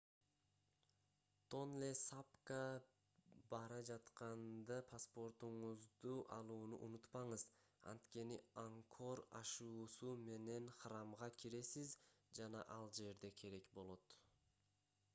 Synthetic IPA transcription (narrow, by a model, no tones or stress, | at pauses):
t̪ʰo̞nlʲesapka | bɑɾɑd͡ʒɑt̪qɑnd̪ɑpʰaspo̞ɾt̪uɴuzd̪uʔɑlˠuːnṵʔunut̪pɑɴɯzɑ̰nt̪ke̞niaŋkʰo̞ɾɑ̰ʃuːsume̞ne̞nχrɑmʁɑkʲʰiɾe̞sizd͡ʒɑnɑ̰ʔɑlˠd͡ʒe̞ɾd̪e̞kʰe̞ɾe̞kbo̞lˠo̞t̪